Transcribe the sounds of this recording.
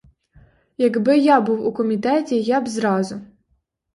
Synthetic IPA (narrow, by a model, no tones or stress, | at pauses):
jɐɡbɪjɑbuwukɔmʲit̪ɛtʲijɑbzɾɑzʊ